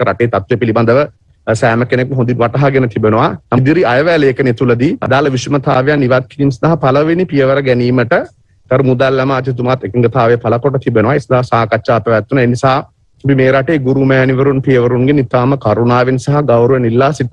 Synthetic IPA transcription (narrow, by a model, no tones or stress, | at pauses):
ɾa̰ʈeːt̪at̪ːʋijəpiliband̪əʋə | sæːməkenekməɦõnd̪inʋaʈɐɦaɡenət̪ʰibenoʋahad̪iɾiajəʋæːleːkənet̪uləd̪iɐ̰d̪aːlɐʋisumɐt̪ʰaːʋejaniʋat̪̚kiɾiːmsɐd̪aɦapalɐʋenipijəʋəɾəɡɛniːməʈə | k̪ɐɾumud̪alːɛmaːt̪it̪̬umat̪ekiŋɡət̪ʰaːʋejəpalɐkoʈ̬ət̪ʰibenuʋaesɐd̪aɦasaːkat͡ʃːʃaːpəʋæt̪ːunaenisaɦa | pimeːɾaʈeːɡuɾumɛːniʋəɾunpijəʋəɾunɡenit̪aːməkaɾunaːʋenisaɦɐɡawɾuʋenilːaːsi